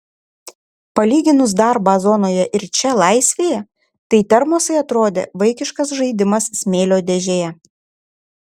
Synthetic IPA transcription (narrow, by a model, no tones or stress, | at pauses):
pɐlʲiːɡʲɪnʊsd̪ɑˑɾbɑːzɔnoːjɛʔɪɾt͡ʃʲɛlˠɐˑɪsʲʋʲeːjɛ | t̪ɐɪt̪ʲɛɾmoɔsɐɪɐt̪ɾoːd̪ʲḛːʋɐɪkʲɪʃkɐs̬ʒɐɪd̪ʲɪmɐsːʲmʲeːlʲoːd̪ʲɛʒʲeːjɛ